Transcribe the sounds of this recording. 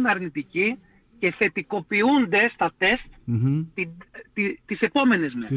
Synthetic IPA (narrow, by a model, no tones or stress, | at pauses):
nɐɾnit̪ici | ce̞θe̞t̪iko̞piund̪e̞st̪ɐt̪e̞st̪t̪iit̪ise̞po̞me̞ne̞zme